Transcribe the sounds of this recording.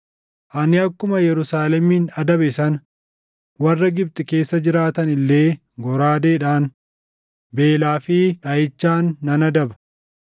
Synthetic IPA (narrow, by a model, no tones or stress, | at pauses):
ʔɐnɪɐkːʊmɐjɛɾʊsaːlɛmiːnɐd̪ɐbɪsɐn | wɐrːɐɡɪb̚t̪ʼɪke̞ːsːɐd͡ʒɪɾaːt̪ɐnɪlːe̞ː | ɡɔɾaːd̪eːᶑaːn | be̞ːlaːfɪᶑɐjɪt͡ʃːaːnːɐnɐd̪ɐbɐ̥